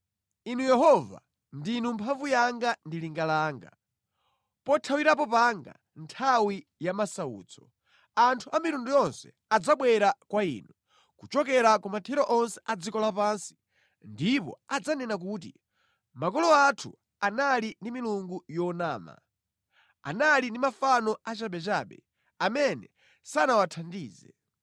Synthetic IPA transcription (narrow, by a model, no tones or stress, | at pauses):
inujɛɦɔva̰ | ndinumpʰaɱvujaŋɡandiliŋɡalaːŋɡa | pɔtʰawiɾap̬ɔpaŋɡa̰ | ntʰawi | jamasaṵːt͡sɔ | antʰuʔamiɾundujɔnsɛ̥ | ad͡zaɓwɛɾakwaḭːnu | kut͡ʃɔkɛɾakɔmatʰɛɾɔʔɔnsɛ̥ʔad͡zikɔlapansi̥ | ndipɔ̰ad͡zanɛnak̬uːt̬i | makɔlɔatʰu | analindimiluŋɡujɔnaːma̰ | a̰nalindimafanɔat͡ʃaɓɛt͡ʃaɓɛ | amɛnɛ | sanawatʰandiːzɛ̰